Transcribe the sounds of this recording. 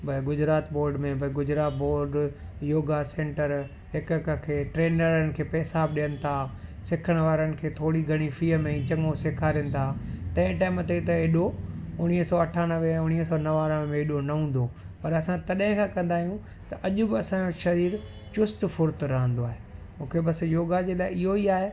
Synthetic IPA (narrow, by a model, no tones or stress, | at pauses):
bʱɐɡʊd͡ʑɾaːt̪boːɾɖmẽbʱɐɡʊd͡ʑɾaːt̪boːɾɖ | joːɡasẽːɳʈəɾ | ɦɪkkkʰeːʈɾeːnəɾənɪ̆kʰeːpɐsaːbɗijənɪ̆t̪ʰaːsɪkʰəɽ̃ʋaːɾənɪ̆kʰeːt̪ʰoːɽiɡʱɐɽ̃ifiːəmẽĩt͡ɕɐ̃ŋosɪkʰaːɾɪ̃nɪ̆t̪ʰaːt̪ɐ̃ɪ̃ʈaːɪmt̪et̪ɐɪɗoʊɽ̃iɦəsɔːɐʈʰaːnəʋeɛ̃ʊñiɦsɔːnɐʋaːɾəʋmẽɪɗonɐɦũːn̆d̪o | pɐɾɐsãt̪ɐɗɦɪ̃kʰãːkɐ̃nd̪aːɦijũ | t̪ɐʔɐʄʊbɪɐsãd͡ʑoʃɐɾiːɾ | t͡ɕʊst̪fʊɾt̪ɾɐɦə̃nd̪oaːɦe | mũːkʰebɐsjoːɡad͡ʑeːlaːɪɪɦoiaːɦe